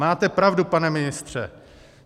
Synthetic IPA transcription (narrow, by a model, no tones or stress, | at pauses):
aːt̪ɛpɾavdupanɛmɪnɪst̪r̝̥ɛ̰